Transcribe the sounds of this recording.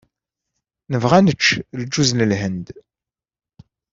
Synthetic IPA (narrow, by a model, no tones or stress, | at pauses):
nəvʁænət͡ʃːld͡ʒuznəlɦənd̪